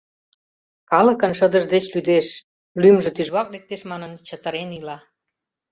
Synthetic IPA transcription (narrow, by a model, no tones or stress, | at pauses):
kɑlə̆kənʃəd̪ə̆ʒd̪et͡ɕlyd̪eʃ | lymʒə̆t̪yʒβɑklek̚t̪eʃmɑnənt͡ɕət̪əɾenilɑ